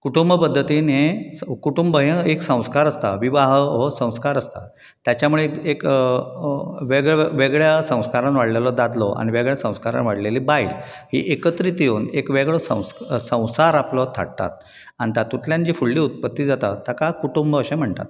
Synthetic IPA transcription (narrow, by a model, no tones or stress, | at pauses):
kuʈumbəpəd̪ʱːət̪inekuʈumbəɦẽeksə̃w̃skaɾəst̪a̰ʋiʋaɦʋɔsə̃w̃skaɾəst̪a̰ | t̪jat͡ɕjamuɭeek | ʋeɡʋeɡɭjasə̃w̃skaɾãnʋaɽlelɔd̪ad̪lɔʔa̰ñiʋeɡɭjasə̃w̃skaɾa̰nʋaɽlelibailhḭʔekət̪ɾit̪ijoːnekʋeɡɭɔsə̰̃w̃ssə̃w̃saɾaplɔt̪ʰa̰ɽt̪a̰t̪̚ | ant̪at̪ut̪ʰljãnd͡ʑifuɭːiːut̪̚pət̪ːiːd͡zat̪a̰t̪ːakakuʈumbəɕẽm̤əɳt̪a̰t̪